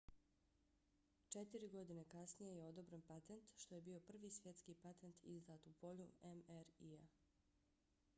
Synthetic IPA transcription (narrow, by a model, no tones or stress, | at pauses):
t͡ʃet̪iɾiɡo̞d̪ine̞kasnijejeo̞d̪obɾanpat̪ent̪ʃt̪o̞je̞bio̞pr̩ʋiːsʋje̞t̪skiːpat̪ent̪ʰḭzd̪aːt̪upo̞ʎuemeɾia